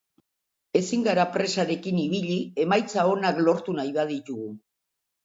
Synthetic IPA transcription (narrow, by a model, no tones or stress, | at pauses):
e̞siŋɡaɾapɾe̞saɾe̞kiniβ̞iʎie̞majt͡sao̞naklo̞ɾt̪unajβað̞it̪uɣu